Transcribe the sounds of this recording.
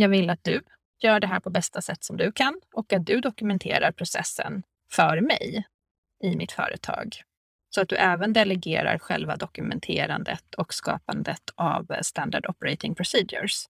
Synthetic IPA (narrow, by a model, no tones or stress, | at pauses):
jɑːɡvɪlːat̪̚d̪̥ɵ | jœːɖɛɦæːɾpʰɔbɛst̪asɛt̪ːsɔmd̪ɵkʰanʔɔkat̪̚d̪ɵd̪ɔkɵmɛnt̪ʰeːɾaɾpʰɾʊsɛ̰sːə̰n | fœɾmɛ̰j | ɪmɪt̪fœ̰ːɾət̪ʰɑ̰ːɡ | sɔat̪̚d̪ɵʔɛːvənd̪ɛlɛɡeːɾa̰ɾɧɛlvad̪ɔkɵmɛnt̪ʰeːɾand̪ət̪ʰɔkskɑ̰ːpand̪ət̪ʰa̰vst̪and̪aɖɔpɛɾɛɪt̪ɪŋpʰɾʊsiːd̪jʊ̰ɾs